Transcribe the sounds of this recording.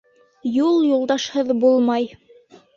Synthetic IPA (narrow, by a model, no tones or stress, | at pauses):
julˠjulˠd̪ɑʃhɤðbulˠmɑj